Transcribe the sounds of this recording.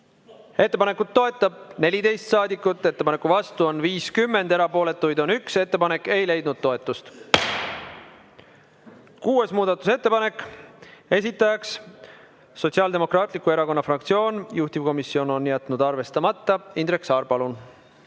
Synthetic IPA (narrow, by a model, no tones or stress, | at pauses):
e̞t̪ːe̞pɑne̞kːˑut̪ːo̞e̞t̪ːˑɑb̥̚ne̞lʲid̪e̞jst̪sɑːd̪ikːˑut̪ːˑe̞t̪ːe̞pɑne̞kːˑuvɑst̪uo̞nviːskymːe̞nd̪e̞ɾɑpo̞ːle̞t̪ːˑujd̪o̞nykse̞t̪ːe̞pɑne̞kːe̞jle̞jd̪̚nud̪̥̚t̪o̞et̪ːˑust̪ | kuːe̞smuːd̪ɑt̪ːˑuse̞t̪ːe̞pɑne̞kːˑ | e̞sit̪ˑːɑjɑksː | o̞t̪siɑld̪e̞mo̞krɑːt̪ˑlikːˑue̞ɾɑko̞nːɑfrɑkt̪sio̞ːnjuht̪ivko̞misːio̞no̞njæt̪ːˑnud̪ɑrve̞st̪ɑmɑt̪ːɑind̪ɾeksɑːrpɑlun